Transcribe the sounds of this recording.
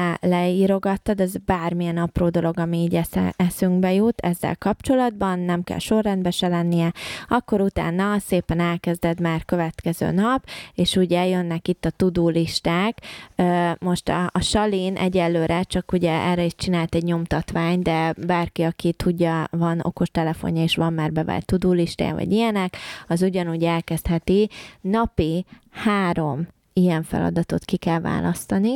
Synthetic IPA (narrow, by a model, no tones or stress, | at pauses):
lɛiːɾo̞ɡɒt̪ːɒd̪ɛzbaːrmijɛnɒproːd̪o̞lo̞ɡɒmiiːɟɛsɛ̰ɛsyŋɡbɛjut̪ʰɛzːɛ̰lkɒpt͡ʃo̞lɒd̪̚bɒnːɛmkɛ̰lʃo̞rːɛnd̪bɛʃɛlɛnːijɛɒkːo̞ɾut̪a̰ːnːɒseːpɛnɛlkɛzd̪ɛd̪maːrkø̞vɛt̪kɛzø̰ːnɒpeːʃuːɟɛljønːɛkit̪ːɒt̪ud̪uːliʃt̪aːkømo̞ʃt̪ɒ̰ʃɒliːnʔɛ̰ɟɛlːøːɾɛt͡ʃɒkuɟɛʔɛrːɛiʃt͡ʃinaːlt̪ɛɟɲo̞mt̪ɒt̪ʋaːɲd̪ɛbaːrkiɒkit̪ʰuɟːɒvɒno̰ko̞ʃt̪ɛlɛfo̞̰ɲjɒeːʃʋɒmːaːrbɛva̰ːlt̪ːud̪uːliʃt̪a̰ːj̰vɒ̰ɟijɛnɛkɒzuɟɒnuːɟɛlkɛst̪hɛt̪inɒpi | haːɾo̞m | ijɛɱfɛ̰lɒ̰d̪ɒt̪o̞̰t̪kikɛlva̰ːlʔɒst̪ɒni